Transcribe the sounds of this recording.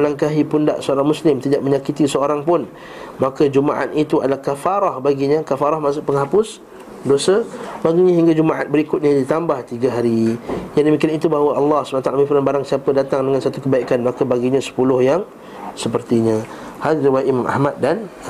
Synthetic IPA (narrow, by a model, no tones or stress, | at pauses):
məlaŋkaɦipunda̰ʔsəoɾaŋmuslɪmt̪idaʔməɲakit̪isəoɾaŋpʊn | makad͡ʒuma̰ʔa̰t̪it̪ua̰dalahkafaɾahbaɡiɲãkafaɾahmasʊʔpəŋɦapʊs | dosəbaɡiɲaɦiŋɡad͡ʒumaʔa̰t̪̚bəɾikʊt̪̚ɲadit̪ambaht̪iɡaɦaɾijaŋdəmikianit̪ubaɦawaʔɑlːɑhsə̥banãt̪alamĩfɾanbaɾaŋsiapədat̪aŋdəŋansat̪ukəbaikanmakabaɡiɲãsə̥pulʊhjaŋ | səpərt̪iɲã | halɾiwajʔimamʔa̰hmat̪̚dan